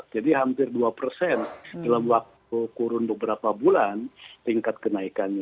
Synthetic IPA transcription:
d͡ʒadiɦampɪrduapərsɛndalamwak̚t̪ukuɾʊnbəbəɾapabulant̪iŋkat̪̚kənaikanɲa

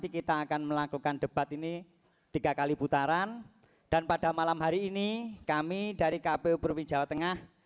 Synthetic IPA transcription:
t̪ikit̪aːkanməlakukanɖ̥ə̤b̥at̪ini | t̪iɡ̥a̤kaliput̪aɾan | d̥anpad̥a̤malamɦaɾiːnikamid̥a̤ɾikapeupɾupind͡ʒawat̪əŋah

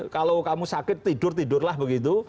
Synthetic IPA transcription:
kalokamusakɪt̪ːiɖʊrt̪idʊrlahbəɡit̪̬u

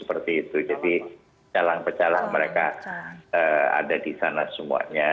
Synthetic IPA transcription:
səpərt̪iːt̪ud͡ʒadi | t͡ʃalaŋpət͡ʃalaŋməɾeka | əːa̰dadisanasəmṵa̰ɲa

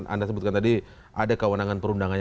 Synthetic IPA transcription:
nʔa̰ndasəbʊt̪̚kant̪adi | ʔadakəwənaŋanpəɾundaŋan

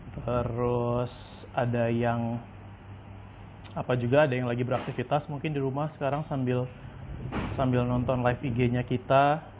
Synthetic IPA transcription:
t̪əɾʊs | adajaŋ | apad͡ʒuɡaːdajaŋlaɡibəɾak̚t̪ifit̪asmuŋkɪndiɾumahsə̥kaɾaŋsambɪl | sambɪlnɔnt̪ɔnlajfiɡeɲakit̪a

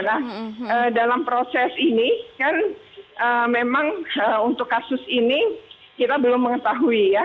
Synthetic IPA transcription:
nahədalampɾosɛsinikan | ʔəːmemaŋəunt̪ʊkːasʊsini | kit̪abəlʊmːəŋət̪aɦuija

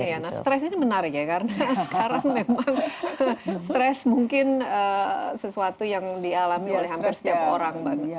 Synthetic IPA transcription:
janahst̪ɾɛsinimənaɾɪkjakarnasəkaɾaŋmemaŋ | st̪ɾɛsmuŋkɪnəsəsuat̪ujaŋdialamiolɛhɦamppɪrsət̪iap̚oɾaŋban

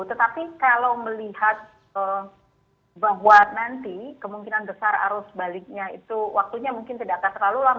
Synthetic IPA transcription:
t̪ət̪apikalawməlihat̪̚ | ə | baɦwanant̪ikəmuŋkinanbəsara̰ɾʊsbalɪk̚ɲaḭt̪uwak̚t̪uɲamuŋkɪnt̪idaʔakant̪ərlalula

